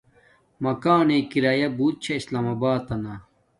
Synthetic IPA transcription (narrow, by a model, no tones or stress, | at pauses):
mɐkaːneːkiɾaːjɐbuːt̪̚t͡ɕʰɐislaːmɐbaːt̪ɐnɐ